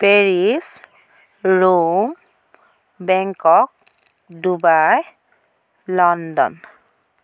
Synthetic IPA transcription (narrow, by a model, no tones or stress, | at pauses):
peɹis | ɹum | bɛŋkɔk̚ | dubaj | lɔndɔ̰n